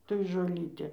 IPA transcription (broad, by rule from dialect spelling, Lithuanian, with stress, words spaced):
toːj ʒoːˈlʲiːtʲeː